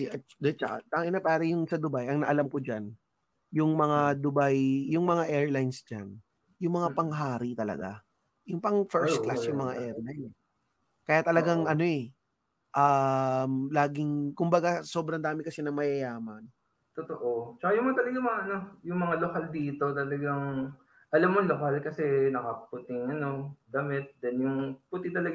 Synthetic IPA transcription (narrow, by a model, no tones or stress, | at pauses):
iɐ | d̪ɛt͡ʃɐʔa̰t̪ɐŋʔɪnapaːɾɐjʊŋsɐd̪ʊbajʔɐŋnɐʔɐlamkʊd͡ʒan | jʊŋmɐŋad̪ʊbajjʊŋmɐŋaʔɛɹlajnsd͡ʒa̰n | jʊŋmɐŋapɐŋɦaːɾɪt̪ɐlɐ̰ɡa̰ | jʊŋpɐŋfɛɾst̪̚klasjʊŋmɐŋaʔɛːɾlajnɛ | kɐjaːt̪ɐlɐɡaŋʔɐno̞ɛ | ʔamlaːɡɪŋkʊmbɐɡasoːbɾɐnd̪aːmɪkɐsɛnɐŋmɐjɐjaːmɐn | t̪ot̪oʔot͡ʃɐkajʊŋmɐŋat̪ɐlɐɡaŋmɐŋaʔɐno̞jʊŋmɐŋalokald̪iːt̪o̞t̪ɐlɐɡaŋ | ʔɐlamːonlokalkɐsɛnɐkapɐput̪ɪŋɐno̞ɡ̪ɐmɪt̪̚d̪ɛnjʊŋput̪ɪt̪ɐlɐɡ